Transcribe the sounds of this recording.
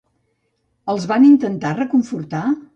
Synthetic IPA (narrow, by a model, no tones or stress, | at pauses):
əlˠzβanint̪ənt̪arəkuɱfurt̪a